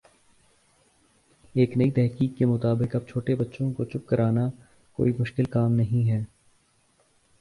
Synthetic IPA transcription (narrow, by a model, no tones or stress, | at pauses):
eːknɐit̪ɛɦkiːkːemʊt̪aːbɪkɐb̚t͡ʃʰoːʈebɐtːʃõkot͡ʃʊp̚kɐɾʔaːna | ko̰ːimʊʃkɪlkaːmnɐɦĩɦɛː